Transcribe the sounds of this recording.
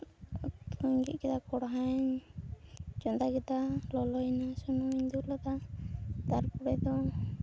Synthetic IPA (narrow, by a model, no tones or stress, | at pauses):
t̪uɲɡḭʔ̪̚kɛt̪akɔɽɦaɲ | d͡ʒɔnd̪aɡɛt̪alɔlɔjnasunumiɲd̪ulɔd̪ad̪aɾpɔɽɛd̪ɔ